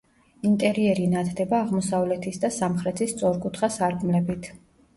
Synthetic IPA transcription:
int̪ʼɛɾiɛɾinat̪ʰd̪ɛbaːʁmɔsavlɛt̪ʰisd̪asamχɾɛt̪ʰist̪sʼɔɾkʼut̪ʰχasaɾkʼmlɛbit̪ʰ

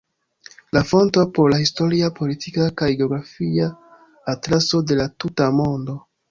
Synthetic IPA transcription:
lafo̞ntopo̞ɾlahisto̞ɾiapo̞litʰikakajɡeo̞ɡɾafiaː | tɾaso̞de̞latutamo̞ndo̞

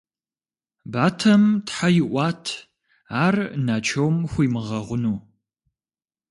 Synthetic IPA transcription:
baːtʰɐmtħajɪʔʷɑːtʰ | aːrnaːt͡ʃʰɐwmxʷiːmɨʁɐʁʷʊnuː

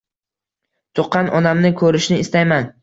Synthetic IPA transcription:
t̪ʰoqʰːɑnʔɒnamnɪkʰɵɾɪʃnɪːst̪ajman

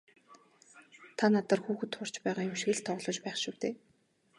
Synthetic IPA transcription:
t̪ʰanat̪ə̆rxuːxɘ̆t̪χʊr̥t͡ɕpæːʁaːjʊmʃ̆ɣɘ̆ɮt̪ʰɔʁɮɞ̆t͡ɕpæːχʃuwt̪eː

